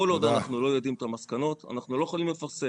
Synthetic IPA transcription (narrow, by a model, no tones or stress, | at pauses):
olod̪anaχnulo̞jod̪imt̪amaskano̞t̪a̰naχnulo̞jeχoalimle̞faʁse